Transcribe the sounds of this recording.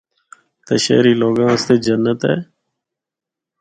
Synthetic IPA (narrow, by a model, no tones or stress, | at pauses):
t̪eːʃḛːɾiːloːɡãːəst̪eːd͡ʒənːət̪ɦɛ̰ː